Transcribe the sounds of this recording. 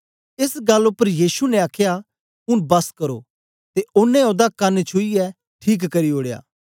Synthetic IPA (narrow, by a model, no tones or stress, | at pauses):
ɪsɡɐlːʊpːəɾjiːsunɛ̃aːkʰja | pʊnbɐskɐɾoː | t̪eʊnːɛ̃od̪akɐnet͡ʃʰʊiɛ | ʈʰiːk̬ːɐɾioːɽeja̰ː